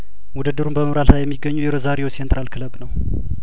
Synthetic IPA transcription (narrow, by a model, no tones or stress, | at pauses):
wud̪ɨd̪ːɨɾunbəməmɾallajɛmːiɡːəɲːujɛɾəzaɾewosent̪ʼɾalkʰɨləbnəw